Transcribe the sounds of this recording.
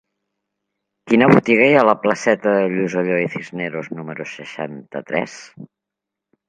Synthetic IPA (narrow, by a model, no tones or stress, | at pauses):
kinəβut̪iɣəjələpləsɛt̪əðəʎuzoʎoiθizneɾoznuməɾusəʃa̰nt̪ə̰t̪ɾɛ̰s